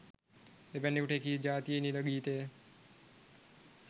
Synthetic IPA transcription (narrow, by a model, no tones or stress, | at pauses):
ebɛnːekuʈeekid͡ʒaːt̪ijeniləɡiːt̪eː